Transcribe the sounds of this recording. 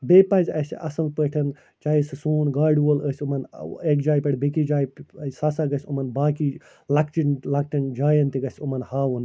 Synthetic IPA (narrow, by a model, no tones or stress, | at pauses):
beːpɐzʲɐsʲɐ̰sɐlpəʈʰɐn | t͡ʃaːisɨsuːnɡaːɖʋoləːsʲumɐnekd͡ʒaːjpɐɽbekid͡ʒaːjɐsaːsaːɡɐsʲumɐnbaːkiː | lɐkt͡ʃinlɐkʈɐnd͡ʒaːjɐnt̪iɡɐsʲumɐnhaːʋun